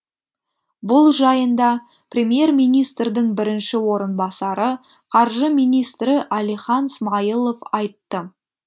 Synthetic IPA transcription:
bʊlˠʒɑjənd̪ɑ | prʲe̞mje̞rmijnijst̪rd̪ɪŋbɪɾɪnʃɪwo̞ɾənbɑsɑɾə | qʰɑɾʒəmijnijst̪ɾɪʔælijχɑnsmɑjəlˠo̞vɑjt̪ːə

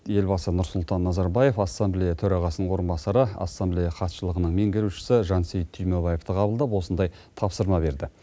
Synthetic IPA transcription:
je̞lbɑsənʊɾsʊlˠt̪ɑnːɑzɑɾbɑje̞fɑsːɑmblʲijɑt̪ʰɵɾɑʁɑsənəɴwo̞ɾənbɑsɑɾəɑ̰sːɑmblʲijɑχɑt̪ʃəlˠəʁənəɴme̞ŋɡʲɪɾuʃɪ̥sɪʒɑnsejt̪ʰʏjmobɑje̞ft̪əqʰɑbəlˠd̪ɑpwo̞sənd̪ɑj | t̪ʰɑpsəɾmɑbe̞ɾd̪ɪ

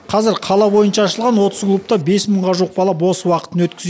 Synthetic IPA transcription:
qʰɑzɪɾqʰɑlˠɑbo̞jənʃɑːʃəlˠʁɑnwo̞t̪əzklˠup̚t̪ɑbe̞sməɴʁɑʒuəq̚bɑlˠɑp̬wo̞səwɑqə̥t̪ənwɵt̪̚kʲɪ̥z

